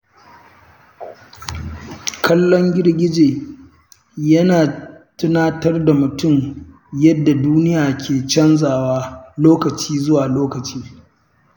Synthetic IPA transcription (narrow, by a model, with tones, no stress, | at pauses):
kʰɐ˦lːɔ˦ŋɡʲɪ˦rɡʲɪ˦d͡ʒeː˨ | jɐ˦naː˨tʊ˦naː˦tɐ˦rda˨mʊ˨tʊ˦m | jɐ˦dːa˨duː˦nɪ˦jaː˨kʲʰeː˨t͡ʃɐ˦nzaː˨waː˦loː˦kɐ˨t͡ʃiː˦zʊ˦waː˨loː˦kɐ˨t͡ʃiː˦